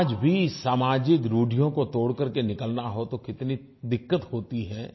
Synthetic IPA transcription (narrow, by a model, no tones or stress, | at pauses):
d͡ʒbʱisaːmaːd͡ʒɪt̪ɾuːɖʱijõkot̪oːɽkɐɾkenɪkəlnaɦot̪okɪt̪ni | d̪ɪkːət̪hoːt̪iɦɛː